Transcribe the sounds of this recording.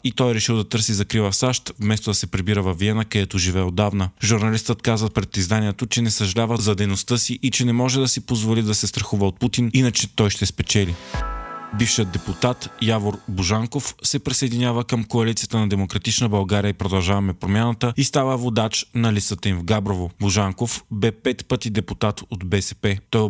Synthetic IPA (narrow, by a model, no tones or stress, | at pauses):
it̪ɔjɾɛʃilˠd̪ɐt̪ɤɾsizɐkɾilˠəsaʃt̪vmɛst̪od̪ɐsɛpɾɛbiɾəvɐviɛnəkɐjɛt̪oʒivɛod̪avnəʒuɾnɐlist̪ət̪kazvəpɾɛt̪ːizd̪aniɛt̪ot͡ʃɛnɛsəʒɐlʲavəzɐd̪ɛjnost̪əsiʔit͡ʃɛnɛmɔʒɛd̪ɐsipozvolid̪ɐsɛst̪ɾɐxuvəot̪̚put̪ininət͡ʃɛt̪ɔjʃt̪ɛspɛt͡ʃɛli | bifʃiəd̪ɛput̪at̪javoɾbuʒaŋkofsɛpɾisɐjd̪inʲavəkəmkoɐlit̪sijət̪ənɐd̪ɛmokɾɐt̪it͡ʃnəbɐlˠɡaɾʲijəipɾod̪ɐlˠʒavɐmɛpɾomʲanət̪əist̪avəvod̪at͡ʃnɐlisət̪əimvɡabɾovobuʒaŋkofbɛpɛt̪pət̪id̪ɛput̪at̪od̪bɛsɛpɛt̪ɔj